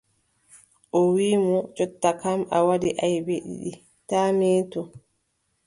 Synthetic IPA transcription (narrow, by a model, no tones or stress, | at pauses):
ʔɔwiːmɔd͡ʒɔtːakamʔawadiʔajbeɗḭɗi | tamɛːtɔ